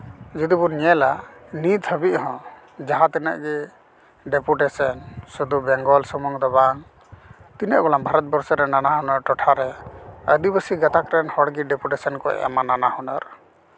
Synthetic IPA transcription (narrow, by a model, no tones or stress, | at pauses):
d͡ʒud̪ibɔniɛlanit̪həbiʔɦɔ̃ | d͡ʒaɦãt̪ɛnə̰ʔɡɛ | ɖɛpuʈɛsənsud̪ubɛŋɡɔlsɔmɔŋd̪ɔbaŋ | t̪inəʔɡɔlambʱaɾɔt̪̚bɔɾsɔɾɛnanaɦɔnɔɾʈɔʈʰaɾɛəd̪ibəsiɡat̪akɾɛnhɔɽɡiɖɛpuʈɛsənkɔ̰a̰mananahɔnɔɾ